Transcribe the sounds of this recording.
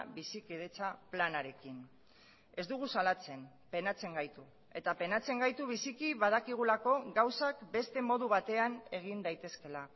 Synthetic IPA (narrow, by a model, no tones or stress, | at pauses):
βisikeðet͡saplanaɾe̞kin | e̞zd̪uɣ̞usalat͡se̞n | pe̞nat͡se̞ŋɡajt̪u | e̞t̪ape̞nat͡se̞ŋɡajt̪uβ̞isikiβað̞akiɣ̞ulako̞ɡawsakbe̞st̪e̞mo̞ðuβ̞at̪e̞ane̞ɣ̞ind̪ajt̪e̞ske̞la